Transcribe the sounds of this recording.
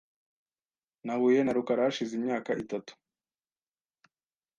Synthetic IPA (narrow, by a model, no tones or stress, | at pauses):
nahuːje̞naɾukaɾaaʃizimɲaːkaʔitatu̥